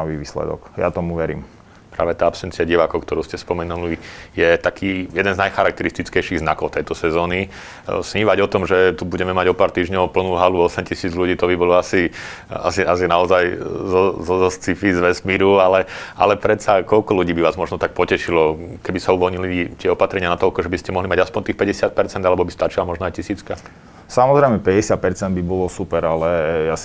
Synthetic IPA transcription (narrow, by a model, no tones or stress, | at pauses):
ʋiʋiːslɛ̰d̪ɔ̰kja̰t̪ɔmuʋɛɾḭːm | pɾa̰ːʋɛt̪aːapsɛnt͡siaɟiʋaːkɔʊkt̪ɔɾuːscɛspɔmɛnulijɛt̪akʰiːjɛd̪ɛnznajxaɾak̚t̪ɛɾist̪it͡skɛjʃiɣzna̰kɔʊt̪ɛjt̪ɔsɛzɔːni | sɲiːʋaɟɔt̪ɔmʒɛt̪ubuɟɛmɛmaɟɔpaːɾt̪iːʒɲɔʊpl̩nuːɦaluɔsɛmcisiːd͡zʎuɟiːt̪ɔbibɔlɔasi | a̰sias̬inaɔzajzɔzɔzɔst͡sifizʋɛsmiɾualɛa̰lɛpɾɛt̪t͡sakɔʎkɔluɟiːbiʋaːzmɔʒnɔt̪ak̚pɔcɛʃilɔkɛbisauʋɔlɲilit̪ɪɛɔpat̪ɾɛɲɪanat̪ɔlkɔʒɛbiscɛmɔɦlimaɟaspɔɲʲt̪iːxpɛɟɛsɪat̪̚pɛɾt͡sɛnd̪alɛbɔbist̪at͡ʃilamɔʒnɔajcisiːt͡ska | samɔzɾɛɪmɛpɛɟɛsɪat̪̚pɛɾt͡sɛnd̪bibɔlɔsupɛɾalɛjas